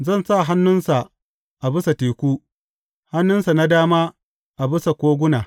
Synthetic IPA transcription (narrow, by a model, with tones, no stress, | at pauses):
zɐ˦˨nsa˦˨ɦa˦nːʊ˦nsa˨ | ʔa˨bɪ˦sa˨teː˨kʷuː˦ | ha˦nːʊ˦nsa˨na˦daː˦maː˦ | ʔa˨bɪ˦sa˨kʷoː˦ɡʷʊ˦naː˨